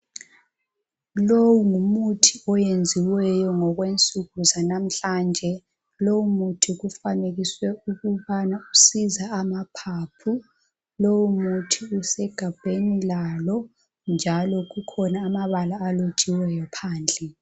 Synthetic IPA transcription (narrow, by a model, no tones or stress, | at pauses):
lowuŋumutʰiɔjend͡zʱiwɛjɔŋɔɣwent͡sʼuɣuzanam̩ɬand͡ʒʱɛ | lowumutʰiɣufaneɣiswɛuɣuβanausizaːmapʰapʰu | lowumutʰiusɛɡ̥ʱab̥ʱenilalɔ | nd͡ʒʱalɔɣukʰɔnaːmaβalaːlo̥t͡ʃʼiwɛjɔpʰaːnd͡ɮʱɛ